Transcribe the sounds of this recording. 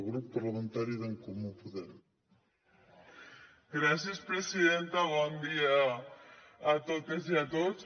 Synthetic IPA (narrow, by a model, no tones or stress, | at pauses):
ɣɾuppːaɾlamẽnt̪aɾjuðeŋkomũpuðeɾ | ɡɾasjespɾesiðent̪aβwɔnd̪iaː | t̪ot̪eziat̪os